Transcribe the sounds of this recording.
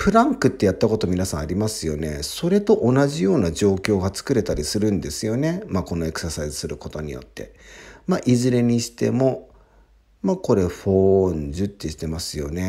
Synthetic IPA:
ɸɯ̟ɾãŋkɯ̟t̪ːe̞jat̪ːako̞t̪o̞mʲinasãɰ̃aɾʲimasɨjo̞ne̞so̞ɾe̞t̪o̞ʔonaʑijo̞ːnaʑo̞ːkʲo̞ːɡat͡sɨ̥kɯ̟ɾe̞t̪aɾʲisɨɾɯ̟̃nd̪e̞sɨjo̞ne̞mako̞no̞e̞kɯ̟̥sasaizɨsɨɾɯ̟ko̞t̪o̞ɲ̟ḭjo̞̰t̪ːe̞̰maʔizɨɾe̞ɲ̟iɕi̥t̪e̞̰mo̞ | mako̞ɾe̞ɸõ̞ːɲd͡ʑɨt̪ʲːeɕi̥t̪e̞masɨjo̞̰ne̞

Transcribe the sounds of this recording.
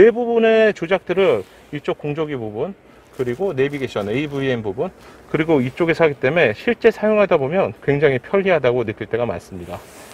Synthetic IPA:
ne̞bubunet͡ɕod͡ʑak̚t͈ɯɾɯ | it͡ɕ͈ok͈ːoŋd͡ʑoɡibubun | kɯɾiɡone̞biɡeɕʰiʌneibuienbubunkɯɾiɡoit͡ɕ͈oɡesʰaɡit͈e̞me̞ɕʰiɭt͡ɕ͈e̞sʰajoŋɦadabomjʌnkwe̞ŋd͡ʑaŋɦipʰjʌɭiɦadaɡonɯk͈iɭt͈e̞ɡama̰ns͈ɯmɲida

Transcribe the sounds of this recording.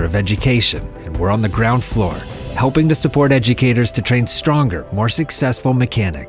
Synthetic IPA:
ʌvɛd͡ʒɨkʰeɪʃɨ̰̃nɨ̃nwə˞ə̃nðɨɡɹãʊ̃nd̥flɔ̰ɹ | hɛlˠpɪ̃ŋtɨsɨpʰɔɹɾɛd͡ʒɨkʰeɪɾə˞z̥tʰɨtʰɹ̥ẽɪ̃nstɹ̥ɔ̃ŋɡə˞mɔɹsɨksɛsfl̩ˠmɨkʰænɪ̰k

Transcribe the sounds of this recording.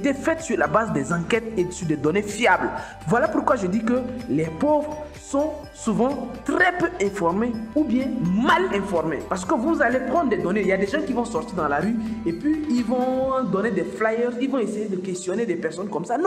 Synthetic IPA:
et̪ɛfɛt̪syʁlabazd̪ɛzɑ̃kɛt̪esyʁd̪ɛd̪ɔnefjabl | vwalapuʁkwaʒəd̪ikəlɛpovʁ | sɔ̃ | suvɑ̃t̪ʁɛpøɛ̃fɔʁmeubjɛ̃malɛ̃fɔʁmḛpaʁsə̥kəvuzalepʁɑ̃nd̪ʁd̪ɛd̪ɔneiljad̪ɛʒɑ̃kivɔ̃sɔʁt̪iʁd̪ɑ̃laʁyepɥiilvɔ̃d̪ɔned̪ɛflajœʁzilvɔ̃esejed̪əkɛst̪jɔned̪ɛpɛʁsɔnkɔmsanɔ̃

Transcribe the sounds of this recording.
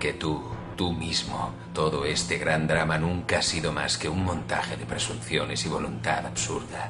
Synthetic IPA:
ket̪u | t̪umizmo | t̪oðoest̪eɣɾand̪ɾamanũŋkaasiðoma̰skeuŋmõnt̪a̰xeðepɾesuɱθjonesiβolunt̪aðaβsuɾða

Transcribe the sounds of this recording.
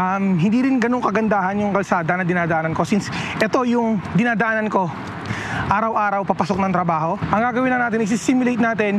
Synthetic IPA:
ʔɐmɦɪnd̪iːɾɪnɡɐno̞ŋkɐɡɐnd̪aːhɐnjʊŋkɐlsaːd̪ɐnɐd̪ɪnaːd̪ɐʔaːnɐnko̞sinsʔɛt̪o̞jʊŋd̪ɪnaːd̪ɐʔaːnɐnko̞ | ʔaːɾɐwʔaːɾɐwpapɐsok̚nɐŋt̪ɾɐbaːɦo̞ʔɐŋɡaːɡɐwɪnlɐŋaːt̪ɪnʔɪsɪsimʊlejt̪̚naːt̪ɛn

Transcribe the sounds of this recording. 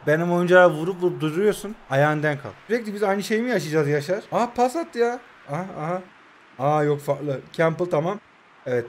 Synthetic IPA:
bænimo̞jund͡ʒaavuɾupuup̚d̪uɾɾujo̞ɾsunajaːɯnd̪ænkʰa̰lˠiɾɛclʲibizajnɯʃe̞jimijaʃɯd͡ʒaːzjaʃaɾ̥apʰasat̪ʰːɯjaː | aaɦa | ajo̞kfaklˠɯcʰæmpɯlˠt̪ʰamam | evɛt̪

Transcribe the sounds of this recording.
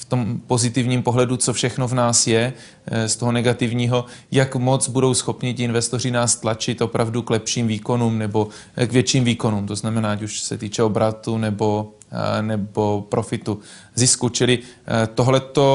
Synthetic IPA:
ft̪o̞mpo̞zɪt̪ɪvɲiːmpo̞ɦlɛdut͡sofʃɛxno̞vnaːsjɛ | st̪oɦonɛɡat̪ɪvɲiːɦo̞jakmo̞t͡sbudo̞wsxo̞pɲɪcɪɪnvɛst̪or̝ɪnaːst̪lat͡ʃɪt̪ʔopɾavduklɛpʃiːmviːko̞nuːmnɛbo̞ | kvjɛt͡ʃiːmviːko̞nuːmt̪o̞znamɛnaːacuʃsɛt̪iːt͡ʃɛobɾat̪unɛbo̞ | nɛbo̞pɾʔo̞fɪt̪u | zɪskut͡ʃɪlɪt̪oɦlɛt̪o

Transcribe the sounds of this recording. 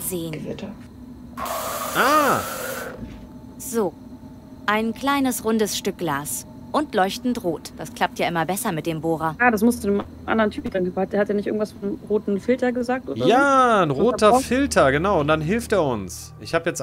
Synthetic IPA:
zeːn | ʔaː | z̥oː | ʔaɪnkl̥aɪnəsʁʊndəsʃtʏk̚ɡ̥laːs | ʔʊntlɔʏçtn̩tʁoːtd̥askʰl̥ap̚tjaːʔɪmɐbɛsɐmɪt̚d̥eːmboːʁɐjaːdasmʊstt͡sunəm | ʔa̰ndəʁəntʰyːpn̩d̥aŋkːphatdeːɐhatdeːɐnɪçtʔɪ̰ɡŋ̩tv̥asfɔnʁoːtn̩fɪltɐɡəzaːk̚tʔo̰ːjaːnʁoːttʰɐfɪltʰɐɡənaʊʊntd̥anɦɪlfteːɐʊns | ʔɪçhaːbjɛt͡st

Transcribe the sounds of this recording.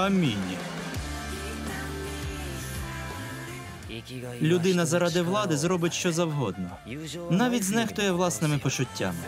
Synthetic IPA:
ɐmʲinʲi | lʲʊd̪ɪnɐzɐɾɑd̪ɪwlˠɑd̪ɪzɾɔbɪtʲʃt͡ʃɔzɐwɦɔd̪nɔ | nɑʋʲitʲznɛxt̪ʊjɛwlˠɑsnɪmɪpɔt͡ʃʊtʲːa̰mɪ

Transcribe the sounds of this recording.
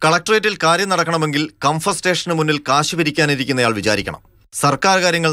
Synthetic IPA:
kɐɭɐk̚ʈɐrejtːilkaːɾjɐmnɐɽɐkːɐɳɐme̞ŋɡilkɐmfɐsʈe̞ːʂɐnɨmunːilkaːɕibɐɾikʲːaːniɾikʲːunːɐjaːɭʋit͡ɕa̰ːɾikʲːɐɳɐ̰m | sɐrkaːɾkaːɾjɐŋːɐɭ

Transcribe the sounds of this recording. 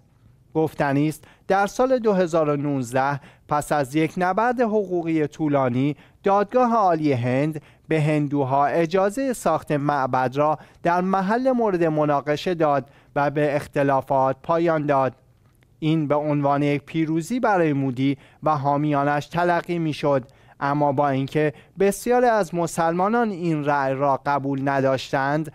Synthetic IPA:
ɡ̥oft̪æniːst̪ | d̪̥æɾsɒːle̞d̪oɦe̞zɒːɾo̞nuːzd̪æhpʰæsæzje̞cʰnæbæɾd̪e̞ɦoɣuːɣiːje̞t̪ʰuːlɒːniːd̪̥ɒːd̪̚ɡɒːɦeɒːlije̞ɦend̪ | be̞ɦe̞nd̪uːɦɒːʔe̞d͡ʒɒːze̞jesɒːxt̪e̞mæʔbæd̪rɒːd̪̥æɾmæɦælːe̞moːɾe̞d̪e̞mo̞nɒːɣe̞ʃe̞d̪ɒːd̪ | væbeːxt̪e̞lɒːfɒːt̪̚pʰɒːjɒːnd̪ɒːd̪̥̚ | ʔiːnbe̞onvɒːnejec̚pʰiːɾuːziːbæɾɒːjemuːd̪iː | væɦɒːmijɒːnæʃt̪ʰælæɢːiːmiːʃo̞d̪ | ʔæmːɒːbɒːincʰe̞be̞sjɒːɾiːæzmo̞sælmɒːnɒːninræʔjrɒːɢæbuːlnæd̪ɒːʃt̪ænd̪

